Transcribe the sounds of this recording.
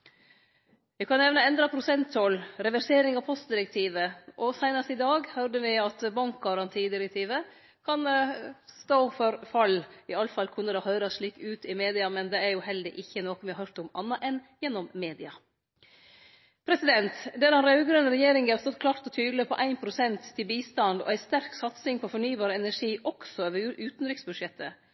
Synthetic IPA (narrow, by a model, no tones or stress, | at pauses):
ʋɛkʰɑnːɛʋnəɛnd̪ɾɑpʰɾʊsɛnt̪ʰːɔlɾɛʋæɾseːɾɪŋɑʋpʰɔst̪̚d̪ɪɾəkt̪ʰiːʋəʔɔsæɪnɑst̪ɪd̪ɑːɡhœɖ̪əʋɪɑt̪bɑŋkɡɑɾɑnt̪ʰiːd̪ɪɾɛk̚t̪ʰiːʋə | kʰɑnst̪oːfɔɾfɑlːɪɑlfɑlkʰʉnːəd̪ɛhœːɾəsʂɭiːkʉːt̪ɪmeːd̪ɪɑmɛnd̪ɛæɾjʊhɛld̪əʔɪçːənoːkɔnʋɪhɑɾhœɾt̪ɔmɑ̰nːɑʔɛnjɛnːɔmmeːd̪ɪɑ | pʰɾɛsɪd̪ɛnt̪d̪ɛɾɑnɾɑʉɡɾœnːəɾɛjeːɾɪŋɡəhɑɾst̪ɔt̪kʰlɑːɾt̪ɔt̪ʰyːd̪ləpʰɔʔæɪnpʰɾʊsɛnt̪ʰːɪlbiːst̪ɑnd̪ɔ̰æɪst̪æɾksɑt̪sɪŋpʰɔfɔɳyːbɑːɾəɛnæʂiːʔɔksɔøʋəʉːt̪nɾɪksbʉd̪ʂjɛt̪ʰːə